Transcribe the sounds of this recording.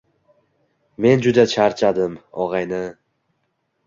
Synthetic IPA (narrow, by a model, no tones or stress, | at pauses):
me̞nd͡ʒʊd̪at͡ʃʰaɾt͡ʃʰad̪ɪmɒʁɑjnɪ